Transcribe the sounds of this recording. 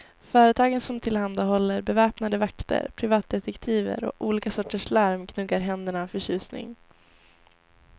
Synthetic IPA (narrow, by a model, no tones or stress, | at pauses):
fœːɾət̪ʰɑːɡənsɔmt̪ʰɪlhand̪aɦɔlːəɾbɛvɛːpnad̪əvakt̪ʰə̰ɾpʰɾɪvɑːt̪̚d̪ɛt̪ɛkt̪ʰiːvə̰ɾɔ̰ʔuːliːkasɔʈːəʂlaɾmkʰnɵɡːaɾɦɛnd̪əɳafœɕʉ̟ːsnɪ̰ŋ